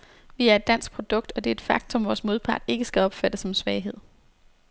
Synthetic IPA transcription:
ʋiæɐe̝d̥ːæn̰sɡ̥̚pʰʁo̝d̥ɔ̽ɡ̥̚d̥ɒ̽d̥e̝ɐed̥fɑ̈ɡ̥t͡sʰɔ̽mʋɒːsmo̝ð̞ˠpʰɑ̈d̥e̝ɡ̥əsɡ̥æɒ̽b̥fæd̥əsɒ̽msʋɛːɪɦe̝ð̰ˠ

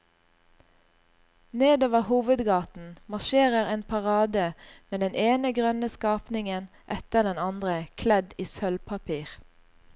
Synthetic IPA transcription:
neːd̪oːʋəhuːʋəd̪ɡɑːt̪n̩mɑʁʃeːʁəʁeːnpʰɑʁɑːd̪əmeːd̪ɛneːnəɡʁœnəskɑːpnɪŋən | ʔɛt̪əʁd̪ɛnɑnd̪ʁəkʰlɛd̪iːsœlpʰɑpʰiːʁ

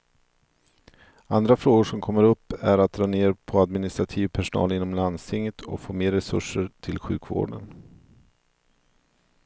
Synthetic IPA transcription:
and̪ɾafɾoːɡʊʂɔmkʰɔmːəɾɵpːæɾat̪̚d̪ɾɑːneːɾpʰɔad̪mɪnɪst̪ɾat̪ʰiːvpʰæʂʊnɑ̰ːlɪnːɔmland̪st̪ʰɪŋjət̪ʰɔ̰foːmeːɾːɛsɵ̰ʂːəɾt̪ʰɪlɧʉ̟ːkvo̰ːɖə̰n

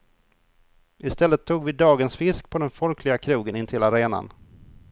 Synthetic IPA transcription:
ʔɪst̪ɛlːət̪ʰːuːɡvɪd̪ɑːɡənsfɪskpʰɔd̪ɛnfɔlkʰlɪɡakʰɾuːɡənɪnt̪ʰɪlaɾeːna̰n

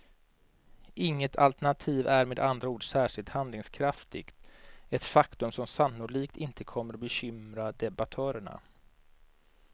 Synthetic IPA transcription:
ʔɪŋːət̪ʰa̰lt̪æɳat̪ʰiːvæɾmeːd̪and̪ɾauːɖsæːʂɪlt̪hand̪lɪŋskʰɾaft̪ɪ̰ɡ̥t̪ɛt̪fakt̪ɵmsɔmsanːʊliːkt̪ɪnt̪əkʰɔmːəɾɔbɛɕʏmɾad̪ɛbat̪ʰœːɾəɳa̰

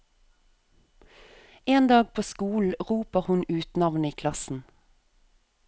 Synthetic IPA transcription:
eːnd̪ɑːɡ̚pʰoːskuːl̩ʁuːpəʁhʉnʉːt̪nɑʋniːkʰlɑsn̩

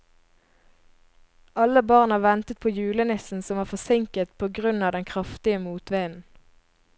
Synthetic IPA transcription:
ʔɑləbɑʁnɑːʋɛnt̪ət̪̚pʰoːjʉːlənɪsn̩sɔmʋɑːʁfɔsɪŋkət̪pʰoːɡʁʉnɑːd̪ɛŋkʰʁɑft̪ɪəmuːt̪ʋeːnn̩

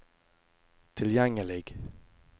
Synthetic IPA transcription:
t̪ʰɪljɛŋːəlɪɡ

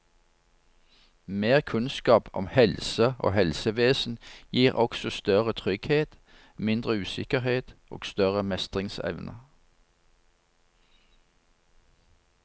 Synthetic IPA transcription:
meːʁkʰʉnskɑːpʰɔ̰mhɛlsəʔo̰ːhɛlsəʋeːsn̩jiːʁʔɔksɔst̪œʁət̪ʰʁʏɡheːt̪ | mɪnd̪ʁəʉːsɪkəheːt̪ʔo̰ːɡ̥st̪œʁəmɛst̪ʁɪŋsɛ̰ʋnʔə̰

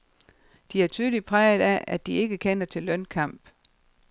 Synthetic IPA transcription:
d̥iæɐt͡sʰyːðˠlid̚pʰʁaɪð̩ˠæʔæd̥ie̝ɡ̥əkʰen̰ɐt͡sʰe̝lːœnkʰɑ̈m̰b̥

